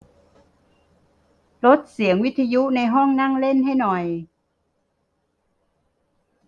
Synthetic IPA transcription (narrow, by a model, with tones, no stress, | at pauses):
lo˦˥t̪̚si˩˦əŋwi˦˥t̪ʰːa˧ju˦˥na˧jɦɔ˥˩ŋna˥˩ŋle˥˩nha˥˩jnɔ˨˩j